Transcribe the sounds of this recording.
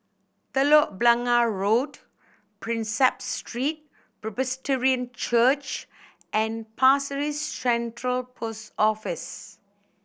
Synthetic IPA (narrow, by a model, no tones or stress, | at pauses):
t̪əlɔʔ̚blãŋaɹod | pɹĩnsɛpstɹit̚ | pɹɛbəstɛɹiə̃nt͡ʃət͡ʃ | ʔɛ̃npʰasəɹissɛ̃ntɹəlpʰostɔfis